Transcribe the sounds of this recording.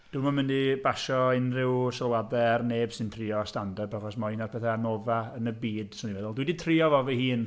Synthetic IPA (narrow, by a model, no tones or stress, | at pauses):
d̥umamɪndibaʃɔɪnrɪwʃəlˠwadɛarneːb̥sɪntʰrɪɔstandabaχɔsmainarpʰɛθɛanovaənəbiːd̥sondimɛðʊlˠdwiditʰriɔvɔvihiːn